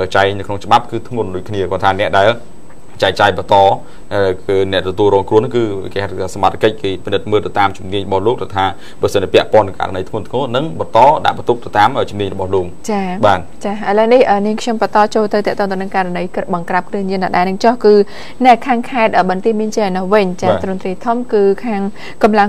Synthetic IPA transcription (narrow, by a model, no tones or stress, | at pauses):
ʔəːt͡ɕaɛknɨwkʰnoŋt͡ɕə̆ɓap̚kɨːt̪ʰŋʊənɗuːəc̚kʰniəkɔnt̪ʰaːnɛ̆əʔɗaɛl | t͡ɕaɛk̚t͡ɕaːjɓɑt̪ɑː | ənɛ̆əʔt̪ɔt̪uəlrɔːŋkrŭənɨŋkɨːkeːhat̪ʰət̪ʰaːsamat̪ʰakəc̚keːpinɨt̪̚məːlt̪ɨwt̪aːmt͡ɕumniəɲrɔɓɑhloːk̚t̪awt̪ʰaː | prɑsəntːpɛ̆əʔpŏənːɨŋka̰ʔɾa̰nəjt̪ʰmŭənt̪ʰŋoːnɨŋɓɑnt̪ɑːɗa̰ʔɓɑnt̪uk̚t̪awt̪aːmʔəːt͡ɕumniəɲrɔɓɑhloːk̚t͡ɕaːɓaːt̪̚t͡ɕaːʔəələəŋnihʔəːniəŋkʰɲompət̪ɑːt͡ɕoːlt̪ɨwt̪ɛ̆əʔt̪oːŋt̪əwnɨŋkaɾanəjkɨt̪̚ɓɑŋkrap̚krɨəhɲiənaɗaɛnɨŋt͡ɕɑhkɨː | naɛkʰaːŋkʰaɛt̪̚ʔəːɓɑnt̪iəmiənt͡ɕianɔhʋɨɲt͡ɕaːt̪roŋt̪riət̪ʰumkɨːkʰaːŋ | kɑmlaŋ